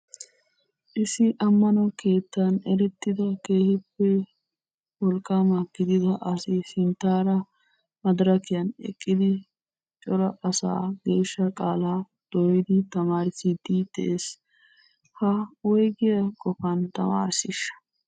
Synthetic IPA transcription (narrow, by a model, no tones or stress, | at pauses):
ʔɪsɪʔɐmːɐnɔke̞ːt̪ːɐnɛɾɛt̪ːɪd̪ɐke̞ːhɪpːɛ | wɔlkʼːaːmɐɡ̥ɪd̪ɪd̪ɐʔɐsɪsɪnt̪ːaːɾɐ | mɐd̪ɾɐkɪjɐnɛ̰kʼːɪd̪ɪ | t͡ʃʼɔɾɐʔɐsa̰ːɡe̞ːʃːɐkʼaːlaː | d̪̥ɔjɪd̪ɪt̪ɐmaːɾɪsɪd̪id̪̥ɛ̰ʔeːs | hɐwɔjɡɪjɐkʼɔfɐnt̪ɐ̰ma̰ːɾsɪʃːɐ̥